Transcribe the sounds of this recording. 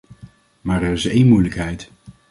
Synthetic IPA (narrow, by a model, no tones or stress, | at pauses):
maːɹɛrɪsejnmujləkɦɛjt